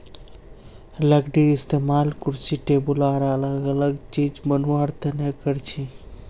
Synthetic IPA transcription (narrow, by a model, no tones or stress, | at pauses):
ləɡɖiist̪emalkuɾsiʈebulaɾələɡələɡt͡ʃid͡ʒbənuaɾt̪ənekəɾt͡ʃʰi